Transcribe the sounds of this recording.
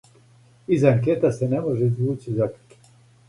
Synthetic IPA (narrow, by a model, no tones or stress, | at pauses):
izaŋk̬et̪asenemo̞ʒeizʋuːt͡ɕizakḁk